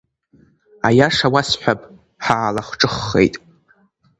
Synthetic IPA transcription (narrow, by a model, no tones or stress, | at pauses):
a̰jaʂawasħʷᶣapʼ | ħaːlaχʷʈ͡ʂʼɨχːe̞̰jtʼ